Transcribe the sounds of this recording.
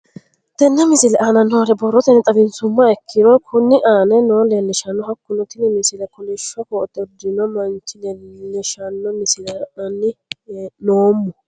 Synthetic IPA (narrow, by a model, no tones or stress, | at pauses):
d̪̥ɛnːɐmɪsɪlɛʔanɐnoːlɛbɔrːɔt̪ɛnːɛt̪ʼɐbɪnsʊmːɐɛkʰːɪɾɔkʰʊnːɪʔaːnɛnoːlɛnːɛʃɐnːɔhɐkːʊnɔt̪ɪnɪmɪsɪlɛkʊlɛʃːɐkɔɔt̪ːɔd̪ːɪnɔmɐŋkɪnɛlɛʃɐnːɔmɪsɪlɐɐnːɪnoːmːʊ